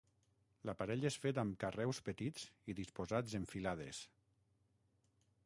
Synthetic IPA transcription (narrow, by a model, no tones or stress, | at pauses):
lapaɾɛʎesfet̪̬amkarɛwspət̪iz̥iðispozad͡zeɱfilað̞ḛs